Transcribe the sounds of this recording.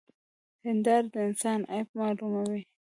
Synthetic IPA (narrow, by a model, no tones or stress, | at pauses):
hɪnd̪ɑɾd̪əɪnsɑnʔa̰pmɑlumawi